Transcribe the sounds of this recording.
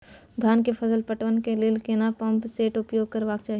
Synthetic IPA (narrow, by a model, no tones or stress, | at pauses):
d̪ʱjaːnkepʰɐsəlpɐʈʋənkelɪlkenapɐ̃mpseːʈʊpjoːɡ̚kɐɾʋaːɡ̚t͡ʃaːɦi